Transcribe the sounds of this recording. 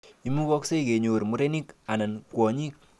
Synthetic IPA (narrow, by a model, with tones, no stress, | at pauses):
i˨˦mu˦kɔ˦kse˦i˨ke˨ɲo˨ɾmu˨˦ɾe˦ni˦ka˨na˨nkwɔ˨ɲi˦k̚